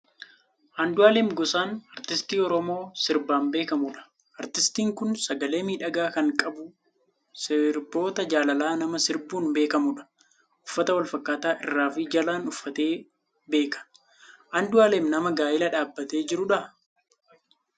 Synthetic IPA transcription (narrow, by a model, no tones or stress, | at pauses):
hɐnd̪ʊaːleːmɡɔsaːnɐɾt̪ɪst̪iːɔɾɔmo̞ːsɪɾbaːmbe̞ːkɐmuːᶑɐ̥ | ʔɐɾt̪ɪst̪iːŋkʊnsɐɡɐle̞ːmiːᶑɐɡaːkɐŋkʼɐbʊ | sɪɾbo̞ːt̪ɐd͡ʒaːlɐlaːnɐmɐsɪɾbuːnbe̞ːkɐmuᶑɐ̥ | ʔʊfːɐt̪ɐwɐlfɐkːaːt̪aːʔɪrːaːfɪd͡ʒɐlaːnʊfːɐt̪e̞ː | be̞ːkɐ̥ | ʔɐnd̪ʊaːleːmnɐmɐɡaːjɪlɐᶑaːbːɐt̪e̞ːd͡ʒɪɾʊᶑɐ